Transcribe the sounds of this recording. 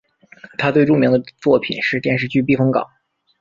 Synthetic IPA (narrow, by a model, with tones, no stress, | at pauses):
t̪ʰa˥t̪we˥˧ɪʈ͡ʂu˥˩ŋmi˧˥ŋd̪ə˧t͡swɔ˥˩pʰḭ˨˩nʂɻ̩˥˧t̪jɛ˥˧nʂ̬ɻ̩˥˧t͡ɕy˥˧p̬i˥˩fɤ˥ŋkɑ̰˨˩˦ŋ